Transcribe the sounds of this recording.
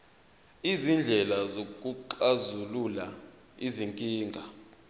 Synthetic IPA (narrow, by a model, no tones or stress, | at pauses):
izind͡ɮʱɛlazok̬ʼuǃazulula | iziŋkʼiːŋɡʱa